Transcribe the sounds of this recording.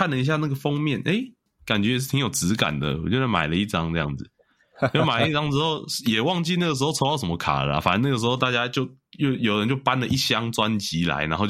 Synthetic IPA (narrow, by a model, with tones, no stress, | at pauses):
a˥˨nlə˩i˧˦ɕ̬ja˥˧na˥˩ɡə˩fɑ˦ŋmjɛ˥˨nʔe˥˩ɪ | ka˨˩nt͡ɕɥɛ˧˦jɛ˨˩ʂ̬̩˥˩t̪ʰi˧ŋjo˨˩ʊt͡sɹ̩˧˥ka̰˨˩nd̪ə̰˩wɔ˨˩t͡ɕjo˥˧ʊza˥˩ma̰˨˩ɪlə˦i˥˩ʈ͡ʂɑ˥ŋɤ˥˧jɑ̰˥˩ŋd͡zɨ˩ | ɔ˨o˥˩ma˨˩ɪəə˦i˥˩ʈ͡ʂɑ˥ŋʈ͡ʂɻ̩˥xo˥˩ʊjɛ˨˩wɑ˥˧ŋt͡ɕi˥˧na˥˩ɡə˩ʂ̬ɻ̩˧xo˥ʊt͡sʰo˧˥˦ɑ˥˩ʊʂə˩˦mə˧kʰa̰˨˩la̰˦fa̰˨˦nə˧˦na˥˩ɡə˩ʂɻ̩˧xo˧t̪a˥˧˩t͡ɕja˦˥t͡ɕjo˥˧ʊjo˥˩ʊjo˨˩ʊɻə˧˦nt͡ɕjo˥˩ʊpa˦nlə˨ʔi˥˩ɕjɑ˦ŋt͡swa˦nt͡ɕi˨˦la̰˧˦ɪna˨˧˦nxo˧